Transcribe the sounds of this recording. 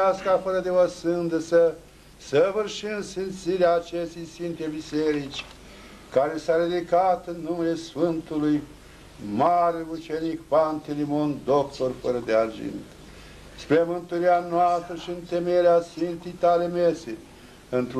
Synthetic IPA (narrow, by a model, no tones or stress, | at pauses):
askafəɾəd̪evəsɨnd̪əsə | səvɨrʃind̪sint̪siɾeaːt͡ʃeʃt̪ejsvint̪ebiseɾit͡ʃʲ | kaɾesaɾed̪ikat̪ɨnːumele̞sfɨnt̪uluj | maɾelut͡ʃenikpanfilimo̞nd̪okt̪o̞rfəɾəd̪eard͡ʒḭnt̪ | spɾemɨnt̪uɾianoast̪ɾəʃiɨnt̪emeɾeasfint̪it̪alemese | ɨnt̪ɾ